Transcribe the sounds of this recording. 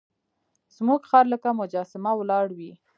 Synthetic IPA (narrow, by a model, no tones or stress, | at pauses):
z̥muɡxɑɾləkamʊd͡ʒɑsɪmawlɑɽwi